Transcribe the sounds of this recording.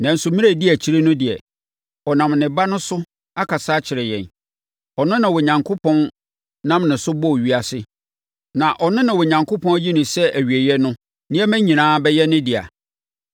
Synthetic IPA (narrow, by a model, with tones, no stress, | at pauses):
nã˨n̩˨sʊ˨mĩ˦æ˦˨dɪ˦æ˨t͡ɕʰi˦ɾe˦nʊ̃˦dɪ˨ɛ̰˨ | ɔ˨nã˨mnɪ̃˨ba˦nʊ̃˦sʊ˦ | a˦kʰa˨saː˦t͡ɕʰɪ˨ɾɛ˨jɛ̰̃˨n | ɔ˨nʊ̃˦nã˨wɔ˨ɲã˨ŋkʰo˦pʰɔ̃˦n | nã˦mnɪ̃˨sʊ˦bɔ˦˨ɥi˦a˨sɪ˦ | nã˨ʔɔ˨nʊ̃˦nã˨wɔ˨ɲã˨ŋkʰo˦pʰɔ̃˦ji˦nʊ̃˨sɛ˦ʔæ˨ɥi˨e˨jɛ˦nʊ̃˦ | nɪ̃˦ɛ˦mæ̃˦ɲĩ˨nãː˦bɛ˦jɛ˦nɪ̃˦dɪ˨a̰˨